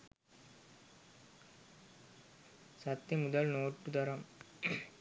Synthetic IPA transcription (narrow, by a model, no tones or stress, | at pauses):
sɐt̪ːɐmud̪ɐlnoːʈːud̪ɐɾɐm